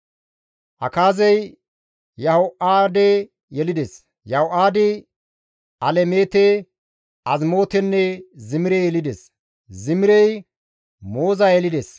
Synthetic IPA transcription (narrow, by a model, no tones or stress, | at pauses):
ʔɐkaːzɛj | jɐhoʔaːd̪e | jɛlɪd̪ɛs | jɐhoʔaːd̪ɪ | ʔɐlɛmeːt̪e | ʔɐzmo̞ːt̪ɛnːɛzɪmɪɾɛjɛlɪd̪ɛs | zɪmɪɾɛj | mo̞ːzaːjɛlɪd̪es